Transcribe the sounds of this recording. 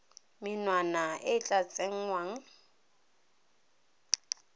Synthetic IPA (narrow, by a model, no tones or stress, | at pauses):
mɪnwanaɪt͡ɬʼat͡sʼeŋ̩waŋ̩